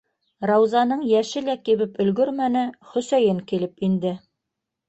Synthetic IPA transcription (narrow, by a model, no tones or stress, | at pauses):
rɑwzɑnɤɴjæʃɘlækiβɘpɵ̆lɡɵɾmænɘχɵ̆sæjɘŋkilɘpind̪ɘ